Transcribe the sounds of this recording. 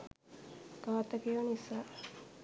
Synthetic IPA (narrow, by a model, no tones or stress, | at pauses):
ɡ̥aːt̪ɐkionisaː